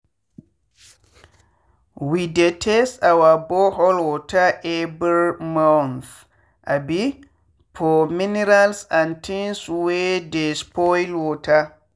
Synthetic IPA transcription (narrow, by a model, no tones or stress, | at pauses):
widɛtʰɛsawabɔɦɔlwɔtaʔɛbəɾmawnθ | ʔabi | pʰɔminiɾalsantʰinswedɛspɔjlwɔta